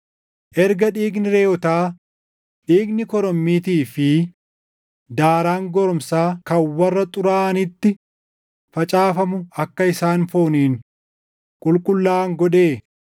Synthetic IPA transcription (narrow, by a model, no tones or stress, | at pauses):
ʔɛɾɡɐᶑiːɡnɪɾeːɔt̪aː | ᶑiːɡnɪkɔɾɔmːiːt̪iːfɪ | d̪aːɾaːŋɡɔɾɔmsaːkɐwɐrːɐt̪ʼʊɾaːʔɐnɪt̪ːɪ | fɐt͡ʃʼaːfɐmʊɐkːɐɪsaːnfoːniːŋ | kʼʊlkʼʊlːaːŋɡɔᶑeː